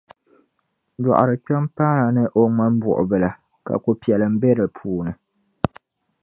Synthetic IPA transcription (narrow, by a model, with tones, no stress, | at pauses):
dɔ̰˨ʔa̰˨ɾɨ˨kɛ˦mpa˦na˨nɨ˦ʔo˦ŋa˦m˦bṵ˨ʔʊ̰˨bɨ˨la˨ | ka̰˨ko˨pi˨ɛ˨lɨ˨m̩˦bɛ˦ɾɨ˨pʰuː˦nɨ˨